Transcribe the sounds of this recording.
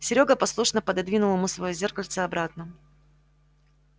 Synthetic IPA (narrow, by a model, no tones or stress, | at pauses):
sʲɪɾʲoɡəpɐslˠuʂnəpəd̪ɐd̪vʲinʊlˠəmusvɐjozʲe̞rkəlʲt̪səɐbɾat̪nə